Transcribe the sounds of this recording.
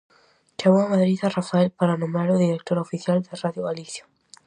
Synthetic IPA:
t͡ʃaβoamaðɾiðarafaelpaɾanõmaɾoðiɾek̚t̪oɾofiθjald̪eraðjoɣaliθjḁ

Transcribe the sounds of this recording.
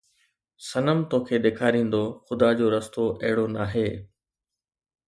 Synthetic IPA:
sɐnəmt̪oːkʰeːɗeːkʰaːɾĩːn̆d̪oxʊd̪aːd͡ʑoːɾɐst̪oʔɐɦɪɽonaːɦeː

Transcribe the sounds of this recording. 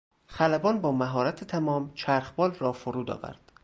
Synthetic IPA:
xælæbɒːnbɒːmæɦɒːɾæt̪ʰet̪ʰæmɒːmt͡ʃʰæɾxbɒːlrɒːfoɾuːd̪ɒ̰ːvæ̰ɾd̪̥

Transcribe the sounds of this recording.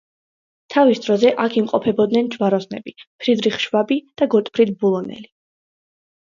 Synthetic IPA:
t̪ʰavisd̪ɾɔzɛʔakʰimqʼɔpʰɛbɔd̪nɛnd͡ʒvaɾɔsnɛbipʰɾid̪ɾiχʃwabid̪̥aɡɔt̪ʼpʰɾid̪̚bulˠɔnɛ̰li

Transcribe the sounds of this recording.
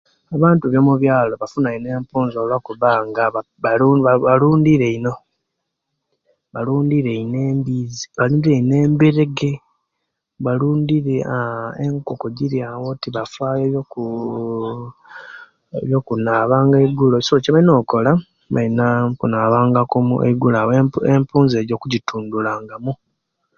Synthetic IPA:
aβaːntuβjomuβjaːlo̞βafunaine̞ːmpuːnzoːlwakuβaːŋɡaβ | uβaβaluːndiɾe̞ino̞ | βaluːndiɾeine̞ːmbizi̥βaluːndiɾeine̞ːmbeɾe̞ɡe̞ | βaluːndiɾeaeŋkokoɟiɾjawotiβafaːjojoku | eβjokunaːβaːŋɡeɡulocsoociβalino̞ːko̞la | βa̰inapunaːβaːŋɡakumṵḛɡulaweempuːnze̞ːɾjo̞ːkuɟituːndulaːŋɡamu

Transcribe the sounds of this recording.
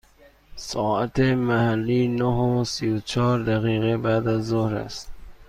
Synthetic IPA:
sɒːæt̪ʰemæhælːiːnoɦosiːot͡ʃʰɒːɾd̪æɣiːɣebæd̪æzːohɾæ̰st̪

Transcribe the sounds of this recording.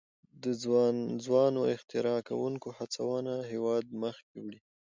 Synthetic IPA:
d̪əzwɑnoɪxt̪ɪɾɑka̰wuŋkohat͡sawɑnaɦewɑd̪̚məxk̚ewɽi

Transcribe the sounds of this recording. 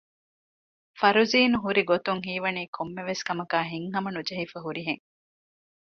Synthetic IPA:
fɐɾuziːnuɦuɾiɡot̪uŋɦiːʋɐniːkʰomːeʋeskɐmɐkaːɦiŋɦɐmɐnud͡ʒɐɦifɐɦuɾiɦeŋ

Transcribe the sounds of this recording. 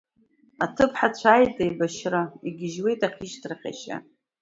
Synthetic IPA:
atʰɨpʰħat͡ɕʷʰaːjtʼejbaʃraiɡʲɪʒwe̞jtʼaχʲiʃtʰrχʲa̰ʃa̰

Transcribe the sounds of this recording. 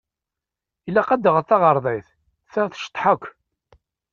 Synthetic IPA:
ilːæqæd̪əʁəθɑʁəɾˤðˤɑjθ | θəθʃə̥t̪ˤːħəkʷː

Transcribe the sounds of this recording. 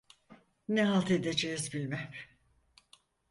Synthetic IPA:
neɦalˠt̪ʰe̞d̪ed͡ʒejizbilʲmæm

